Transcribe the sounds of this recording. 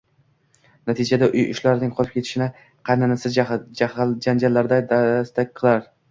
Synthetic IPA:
nat̪ʰɪd͡ʒad̪aʔʊjʊ̰ʃlaɾɪnɪŋqʰɒlˠɪp̚kʲʰeɪ̥ʃɪnɪ | qʰɑjnanasɪd͡ʒad͡ʒand͡ʒalːaɾd̪ad̪ast̪akʲqʰɨlˠaɾ

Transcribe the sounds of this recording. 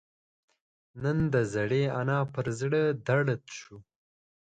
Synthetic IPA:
nənd̪əzaɽeanɑpəɾzɽəd̪aɽət̪ʃu

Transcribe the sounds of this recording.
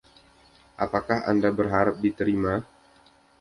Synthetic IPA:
ʔapakaɦa̰ndabərɦaɾap̚dit̪əɾima

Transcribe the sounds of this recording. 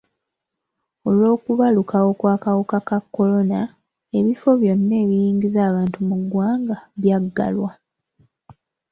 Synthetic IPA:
o̞lwo̞ːkuβalukawo̞kwaːkawokakakːo̞lo̞na | e̞βifo̞βjo̞nːeːβijiːŋɡizaːβaːntumuɡːwaːŋɡaβjaɡːa̰lwa

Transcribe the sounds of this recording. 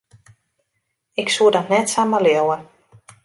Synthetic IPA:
ɪksuədɔtnɛtsaməleəwə

